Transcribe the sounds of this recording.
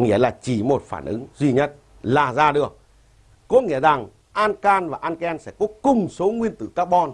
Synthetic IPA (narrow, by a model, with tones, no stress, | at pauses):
ŋi˧˥əlaː˨˩t͡ɕi˧˩mo˨˩t̚faː˧˩nʔɨ̰˨˦ŋzwi˧ɲə˦˥t̚ | laː˨˩zaː˧ɗɨ˨˩ək̚ː | ɔ˨˦ŋḭ˧˥əza˨˩ŋ | ʔaː˧nkaː˧nvaː˨˩ʔaː˧nkɛ˧nsɛ̰˧˥kɔ˨˦kʊ˨˩ŋ͡mso˨˦ŋwi˧ənt̪ɨ̰˧˩kaː˦˥k̚ɓɔ˧n